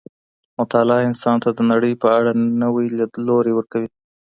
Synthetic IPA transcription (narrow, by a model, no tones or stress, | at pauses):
mʊt̪alɑɪnsɑnt̪ad̪ənaɽəjpəaɽanəwijlaloɾewəɾkawi